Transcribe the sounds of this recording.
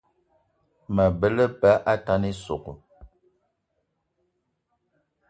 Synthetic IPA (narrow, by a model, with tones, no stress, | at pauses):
mə˨bə˦lə˦pa˦ʔa˦ta˦ni˦so˨ɣo̰˨